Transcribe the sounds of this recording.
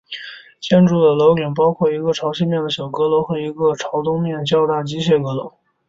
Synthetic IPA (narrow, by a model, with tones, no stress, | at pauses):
t͡ɕjɛ˥nʈ͡ʂu˥˩d̪ə˩lo˧˥ʊki˨˩np̬ɑ˥ʊkʰwɔ˥˩i˧˥ɡə˧ʈ͡ʂʰɑ˧˥ʊɕʰi˥˧nmjɛ˥˩nd̪ə˩ɕjɑ˨˩ʊkɤ˧˥lo˧˥ʊxɤ˧˥i˧˥ɡə˧ʈ͡ʂʰɑ˧˥ʊt̪ʊ˥ŋmjɛ˥˩nt͡ɕjɑ˥˧ʊt̪a˥˩t͡ɕi˥ɕɛ˥˩kɤ˧˥lo˧˥ʊ